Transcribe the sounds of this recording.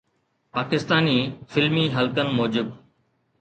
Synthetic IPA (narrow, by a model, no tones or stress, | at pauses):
paːkɪst̪aːniːfɪlmiːɦəlkənmoːd͡ʒɪb̚